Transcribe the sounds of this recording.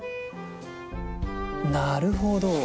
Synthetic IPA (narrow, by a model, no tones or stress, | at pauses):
naɾɯɦod̪o